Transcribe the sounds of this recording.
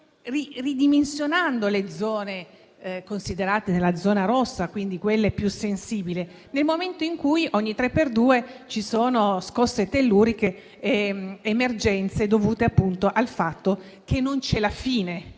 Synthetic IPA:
ririd̪imensjonand̪oled̪zɔːne | konsid̪eɾaːt̪enelːad̪zɔːnaɾosːakwind̪ikwelːepjusensiːbile | nelmoment̪oiŋkujʔɔɲːit̪ɾepːerd̪uːet͡ʃisoːnoskɔsːet̪elːuːɾike | eːmerd͡ʒɛnt̪sed̪ovuːt̪eapːunt̪oʔalfat̪ːo | k̟enːont͡ʃɛlafiːne

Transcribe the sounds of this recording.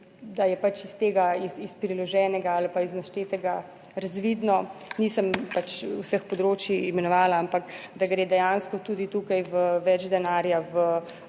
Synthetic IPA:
d̪ajɛpat͡ʃist̪eːɡaisispɾilɔʒɛːnɛɡaalipaiznaʃt̪eːt̪ɛɡa | ɾazʋiːd̪nɔnisəmpat͡ʃusəxpɔd̪ɾoːt͡ʃjiːmɛnɔʋaːlaampakd̪aɡɾeːd̪ɛjanskɔt̪uːd̪it̪uːkajʋəʋɛd͡ʒd̪ɛnaːɾjaʋə

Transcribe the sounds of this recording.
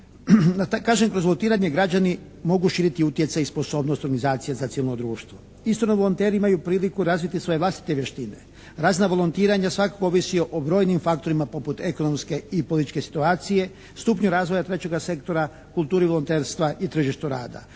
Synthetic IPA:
d̪at̪akaːʒemkɾo̞zʋoont̪iːɾaɲeɡɾad͡ʑani | mo̞ɡuʃiːɾit̪iut̪je̞t̪saispo̞so̞ːbnost̪oɾɡanizaːt̪sijezat̪siːʋilnod̪ɾuːʃt̪ʋo̞ | ist̪oɾnoʋolont̪eːɾiimajupɾiːlikuɾazʋit̪isʋo̞jeʋlˠast̪i̥t̪e̞ʋjeʃt̪inḛ | ɾaːznaʋo̞lˠont̪iːɾaɲasʋakakooʋisio̞ʔobɾo̞ːjnimfakt̪o̞ɾimapo̞put̪eko̞no̞mske̞ipolit̪it͡ʃke̞si̥t̪uaːt̪sije̞ | st̪uːpɲuɾaːzʋo̞jat̪ɾe̞t͡ɕe̞ɡase̞kt̪o̞ɾa | kulˠt̪uːɾiʋolont̪e̞ːɾst̪ʋaʔit̪ɾr̩ʒiʃt̪uɾa̰ːd̪a̰

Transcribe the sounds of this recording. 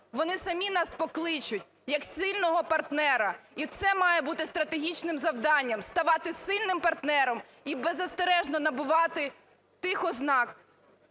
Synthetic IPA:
ʋɔnɪsɐmʲinɑspɔklˠɪt͡ʃʊtʲ | jɐksʲɪlʲnɔɦɔpɐrt̪nɛɾɐit̪sɛmɑjɛbut̪ɪst̪ɾɐt̪eɦʲit͡ʃnɪmzɐwd̪ɑnʲːɐmst̪ɐʋɑt̪ɪsɪlʲnɪmpɐrt̪nɛɾɔm | ibezɐst̪eɾɛʒnɔnɐbʊʋɑt̪ɪ | t̪ɪxɔznɑk

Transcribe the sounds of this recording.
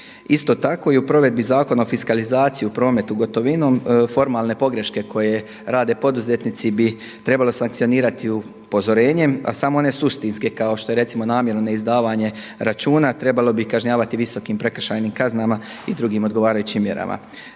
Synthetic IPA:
ist̪o̞t̪ako̞iupɾo̞ʋe̞d̪̚bizaːko̞naofiskalizaːt̪sijiupɾo̞ːme̞t̪uɡo̞t̪o̞ʋino̞ːmfo̞ɾmaːlne̞po̞ɡɾe̞ʃke̞kʰo̞je̞ | ɾaːd̪e̞po̞d̪uze̞t̪nit̪sibi | t̪ɾe̞balo̞saŋk̚t̪sio̞niːɾat̪iu | po̞zo̞ɾe̞ːɲe̞ma̰samo̞one̞sust̪inske̞kaoʃt̪o̞je̞ɾe̞t̪simonaːmje̞ɾnonaizd̪aːʋaɲe̞ | ɾat͡ʃuːnat̪ɾe̞balo̞bikaʒɲaːʋat̪iʋiso̞kiːmpɾe̞k̩ʃajniːmkaznama | id̪ɾuɡimo̞d̪ɡo̞ʋaːɾajut͡ɕimːje̞ɾa̰ma̰

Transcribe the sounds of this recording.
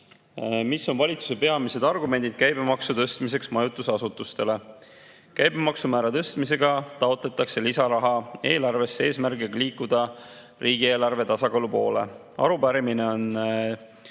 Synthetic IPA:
miso̞nvɑlʲit̪su̥se̞pe̞ɑmise̞d̪ɑrɡume̞nd̪id̪̥̚kæjbemɑksut̪ɤ̞st̪mis̬e̞ksmɑjut̪ːˑusɑsut̪ːust̪e̞le̞ | kæjbemɑksumæːɾɑt̪ɤst̪mise̞ɡ̥ɑt̪ɑo̞t̪let̪ˑːɑkse̞lisɑɾɑɦɑe̞ːlɑrve̞sːee̞ːsmærɡiɡɑliːkːˑud̪̥ɑ | riːɡ̥ie̞ːlɑrve̞t̪ɑsɑkɑːlupo̞ːle̞̰ | ɑ̰ɾupæɾimine̞o̞n

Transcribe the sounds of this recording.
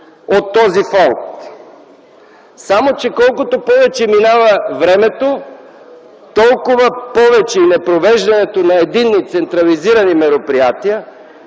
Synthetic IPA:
ot̪ːɔzifɔnt̪ | samot͡ʃɛkɔlˠkot̪opɔvɛt͡ʃɛminavɐvɾɛmɛt̪o | t̪ɔlˠkʊvɐpɔvɛt͡ʃɛinɛpɾovɛʒd̪ɐnɛt̪onɐɛd̪inːit̪sɛnt̪ɾɐliziɾɐnimɛɾopɾijat̪iə

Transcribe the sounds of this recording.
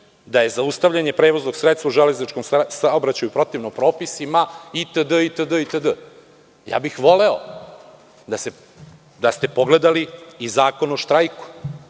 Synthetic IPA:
d̪aje̞zaust̪aʋʎaɲe̞pɾeːʋo̞zno̞ɡ̥sɾet̪st̪vauʒele̞znit͡ʃko̞msaobɾat͡ɕajupɾo̞t̪iʋnopɾo̞ːpisimait̪əd̪əit̪əd̪əit̪əd̪ə | ja̰ːbixʋo̞leo | d̪ase | d̪ast̪e̞po̞ɡle̞d̪aliːzaːko̞noʃt̪ɾajku̥

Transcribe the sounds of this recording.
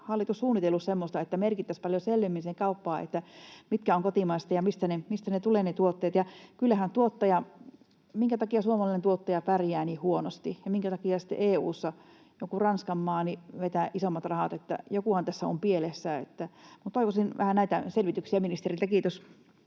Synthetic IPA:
hɑlːit̪ussuːnːit̪elussemːost̪ɑet̪ːæmerkit̪ːæspɑljoselʋimːinseŋkɑupːɑːʔḛt̪ːæmit̪kæoŋkot̪imɑist̪ɑjɑmist̪ænemist̪ænet̪uleːnet̪uot̪ːeːt̪jɑkylːæhænt̪uot̪ːɑjɑ | miŋkæt̪ɑkiɑsuomɑlɑˑinent̪uot̪ːɑjɑpærjæːniːhhuonost̪ijɑmiŋkæt̪ɑkiɑsi̥t̪ːḛʔeːuːsːɑ | jokurɑnskɑmːɑːniʋet̪æʔisomːɑt̪rɑhɑt̪et̪ːæ̰jokuhɑnt̪æsːæo̰mpielesːæḛt̪ːæmut̪oikosinʋʔæhænæit̪æselʋit̪yksiæminist̪erilt̪ækiːt̪øs

